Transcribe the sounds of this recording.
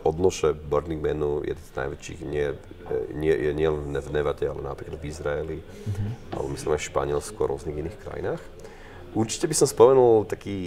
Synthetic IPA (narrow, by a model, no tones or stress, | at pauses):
ʔɔd̪nɔʃɛbɔɾniŋɡmɛnujʔɛ̰d̪ɛnzna̰jʋɛt͡ʃḭːɣɲɪɛ | ɲɪɛjɛɲɪɛlɛnvnɛvnɛʋatɛalɛna̰pɾiklad̪vizɾaɛli | a̰lɛ̰bɔmislimaɪʃpa̰ɲɪɛlskuaɾʊɔzniɣiniːxkɾa̰jḭnaːx | ʔuɾt͡ʃi̥cɛbisɔmspɔmɛnult̪akiː